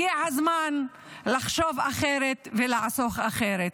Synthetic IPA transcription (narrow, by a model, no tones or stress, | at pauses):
iʕazman | laχʃovaχeɾet̪velaʕsoχaχeɾet̪